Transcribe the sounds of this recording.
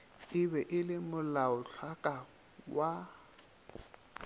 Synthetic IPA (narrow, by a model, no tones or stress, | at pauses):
ɪbɛʔɪlɪmʊlaʊɬʰwakʼa | wa